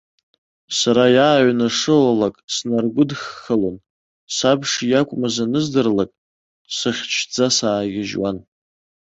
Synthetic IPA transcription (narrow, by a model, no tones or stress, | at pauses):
saɾajaːɥnaʂɨlalakʼsnarɡʷʊdxəlon | sabʂjakʷʼmazanɨzdɨrlakʼ | sɨχʲt͡ʃʰd͡zasaːɡʲɪʒwan